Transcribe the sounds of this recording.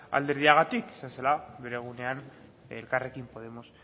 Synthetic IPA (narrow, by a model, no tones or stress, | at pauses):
a̰ld̪eɾðiaɣat̪ike̥saselaβeɾeɣ̞unean | elkarekimpoð̞e̞mos